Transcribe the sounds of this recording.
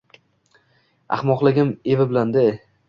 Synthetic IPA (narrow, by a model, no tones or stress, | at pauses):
a̰hmɒqlˠɪɡʲɪme̞vɪbɪland̪e